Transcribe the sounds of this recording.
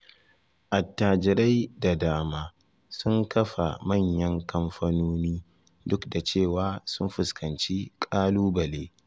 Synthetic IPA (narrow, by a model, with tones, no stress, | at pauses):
ʔa˨tːaː˨d͡ʒɪ˨ɾa˦jda˨daː˦maː˦ | sʊ˦ŋkʰɐ˦ɸa̰˨mɐ˦˨ɲjɐ˦ŋkɐ˦mɸaː˦noː˦niː˦ | dʊ˦kda˨t͡ʃeː˦˨waː˦sʊ˦mɸʊ˨skʰɐ˨nt͡ʃi˦kʼaː˦luː˦bɐ˨leː˦